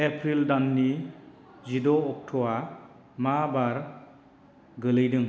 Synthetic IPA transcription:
epʰɾildanːi | zidɔːk̚tʰɔwa | mabaɾ | ɡɯlɯjdɯŋ

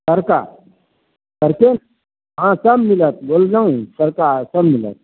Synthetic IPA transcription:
sɐɾka | sɐɾken | ɦãsɐbmilət̪̚bolnaũsɐɾkaːsɐbmilə̰t̪̚

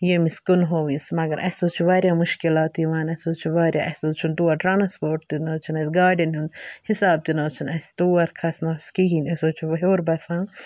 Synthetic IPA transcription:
jemiskunɦoːʋjusmɐɡɐɾʔɐsoːt͡ʃʰiʋaːɾʲjaːmuʃkilaːt̪jiʋaːnɐsoːt͡ʃʰiʋaːɾʲja̰ːʔɐsoːt͡ʃʰunt̪uːɐɾʈɾaːnɐspoːʈ̚t̪inoːt͡ʃʰinɐsʲɡaːɖɐnɦund̪hisaːb̚t̪inɐːt͡ʃʰinɐst̪uːɐɾkʰɐsnɐːsʲkiɦinɐsoːt͡ʃʰuʋɐjoːɾbɐsãː

